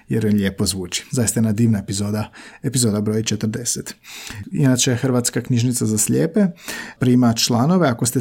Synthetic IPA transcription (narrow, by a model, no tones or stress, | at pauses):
jeɾjeʎʲe̞ːpozʋuːt͡ʃi̥zajst̪aenad̪iːʋnaepizoːd̪aepizoːd̪abɾojit͡ʃet̪r̩d̪eset̪inat͡ʃexrʋaːt̪skaknɲiʒnit̪sazasʎʲeːpe̞pɾiːmat͡ʃlˠano̞ʋeakost̪e